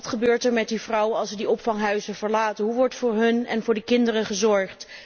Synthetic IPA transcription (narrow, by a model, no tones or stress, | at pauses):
tχəbøːɹtɛɹmɛt̚divrʌwəɑlˠsədiɔpfɑŋɦœɥzəvəɹlaːtənɦuʋɔɹtfʊːɹɦɵnɛ̰nvʊːɹdəkɪndərəχəzɔɹχt